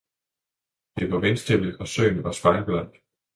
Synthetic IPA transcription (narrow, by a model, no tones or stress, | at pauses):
d̥e̝ʋɑ̈ʋensd̥ebidɒ̽sø̰ːnʋɑ̈sb̥ɑ̈ɪnb̥læn̰d̥